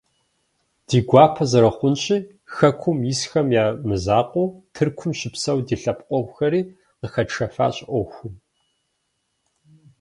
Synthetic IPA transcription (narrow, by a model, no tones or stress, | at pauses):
d̥iːɡʷɑːpʰɐzɐɾɐχʷʊnɕʼiː | xɐkʷʰʊmjisxɐmjaːmɨzaːqʷʼʊːtʰɨrkʷʰʊmɕɪpsɐwdiːɬɐp̚qʷʼɔʁʷxɐɾiː | qəxɐʈ͡ʂʰɐfa̰ːɕʼʔʷɔxʷʊm